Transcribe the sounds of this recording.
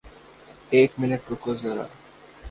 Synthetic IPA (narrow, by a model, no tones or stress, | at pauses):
eʈmineʈ̚pɾokozaɾa̰